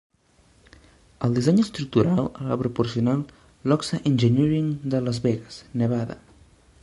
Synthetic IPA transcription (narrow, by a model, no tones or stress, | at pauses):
əlˠd̪izeɲəst̪ɾuk̚t̪uɾalˠala̰pɾupuɾsiunal | lɔksaʔenʲʒəniɾiŋd̪ələzβɛɣəsnəβ̞aðə̰